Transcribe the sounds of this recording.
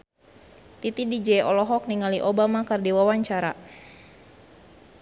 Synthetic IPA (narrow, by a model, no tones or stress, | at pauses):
t̪it̪idid͡ʒɛɔlɔɦɔk̚niŋaliʔɔbamakərdiwawaɲt͡ʃaɾa